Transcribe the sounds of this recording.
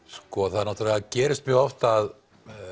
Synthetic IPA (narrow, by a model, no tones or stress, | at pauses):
skɔaθaðɾnaht̪ɾlɛɣacɛːɾɪst̪̚mjœːɣɔft̪aːð